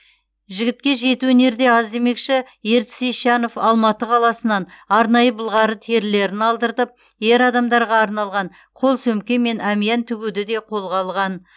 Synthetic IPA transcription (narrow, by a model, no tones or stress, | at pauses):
ʒɪɡʲɪt̪̚kʲe̞ʒe̞t̪uɵne̞ɾd̪e̞ɑzd̪e̞me̞kʃɪ | je̞ɾt̪sejʃɑno̞fɑlˠmɑt̪əqʰɑlˠɑsənɑnɑɾnɑjəbəlˠʁɑɾət̪ʰe̞ɾle̞ɾɪnɑlˠd̪əɾt̪əp̚ | je̞ɾɑd̪ɑmd̪ɑɾʁɑːɾnɑlˠʁɑɴ | qʰo̞lˠsɵmkʲeme̞næmijɑnt̪ʰʏɡʲud̪ɪd̪e̞qʰo̞lˠʁɑlˠʁɑn